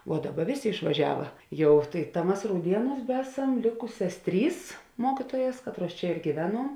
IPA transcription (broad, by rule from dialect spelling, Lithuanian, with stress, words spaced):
ʋuɔ ˈdɑːˌbɐ ˈʋʲeːˌsʲeː ɪʃʋɐˈʒʲæːʋɐ ˈjɛʊ tɐɪ tɐ ˈmɐs rɐʊˈdʲiɛnuːs ˈbʲæːsɐm ˈlʲeːkʊsʲɛs ˈtʲrʲiːs ˈmoːkʲɪtoːjɛs ˈkɑːtˌruɔs ˈt͡ʃʲɛ ɪr ɡʲiːˈʋʲæːnuɔm